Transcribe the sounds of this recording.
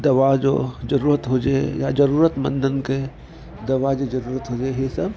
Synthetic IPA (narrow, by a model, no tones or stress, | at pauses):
d̪ɐʋad͡ʒo̰ːd͡ʒɐɾuːɾət̪ɦoːd͡ʒja̰d͡ʒɐɾuːɾət̪mə̰̃nd̪ənke | d̪ɐʋad͡ʒod͡ʒɐɾuːɾət̪ɦoːd͡ʒaeɦesɐb